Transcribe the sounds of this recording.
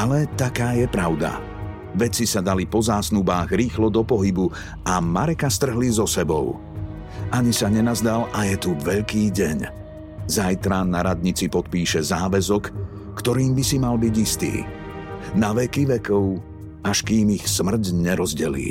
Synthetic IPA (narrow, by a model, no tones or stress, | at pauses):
alɛt̪akaːjɛpɾaʊd̪a̰ | ʋɛt͡sisad̪alipɔzaːsnubaːɣɾiːxlɔd̪ɔpɔɦibu | amaɾɛkast̪r̩ɦlizɔsɛbɔ̰ʊ | ʔaɲisaɲɛnazd̪alʔajɛt̪uʋɛʎkiːɟɛɲ | zajt̪ɾanaɾad̪ɲit͡sipɔt̪̚piːʃɛzaːʋɛzɔkː | t̪ɔɾiːmbisimalbiɟist̪ḭː | naʋɛkiʋɛkɔʊ | aʃkiːmixsmr̩ɟɲɛɾɔzɟɛlḭː